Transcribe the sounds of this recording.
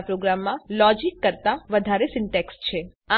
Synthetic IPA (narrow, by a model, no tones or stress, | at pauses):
pɾoɡɾamːãlɔd͡ʒikːəɾt̪aʋəd̪ʱaɾesɪɳʈekst͡ʃʰe | a